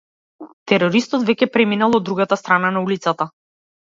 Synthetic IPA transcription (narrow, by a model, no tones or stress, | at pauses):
t̪ɛɾɔɾist̪ɔt̪vɛcɛpɾɛminalˠɔd̪ːɾuɡat̪ast̪ɾananaulit̪sat̪a